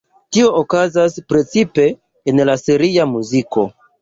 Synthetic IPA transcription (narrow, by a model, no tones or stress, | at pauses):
tio̞ʔokazaspɾe̞t͡sipe̞ː | nlasiɾiamuziko̞̰